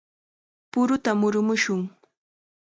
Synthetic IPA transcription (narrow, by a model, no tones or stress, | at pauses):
pʊɾʊt̪amʊɾʊmʊʃʊŋ